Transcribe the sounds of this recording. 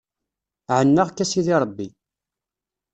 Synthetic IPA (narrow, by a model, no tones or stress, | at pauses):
ʕənːaʁkːæsiðiɾˤəbːi